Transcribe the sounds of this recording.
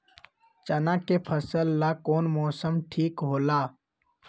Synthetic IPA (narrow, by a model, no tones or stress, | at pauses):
t͡ʃɐnãːkepʰəsəlːaːkoːnmɔːsəmʈʰiːkɦoːlaː